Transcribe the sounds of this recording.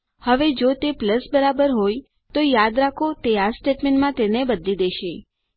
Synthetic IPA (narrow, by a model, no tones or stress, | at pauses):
həʋed͡ʒot̪epləsbəɾabəɾɦoj | t̪ojad̪ɾakʰot̪easʈeʈmẽɳʈmãt̪enebəd̪lid̪eʃe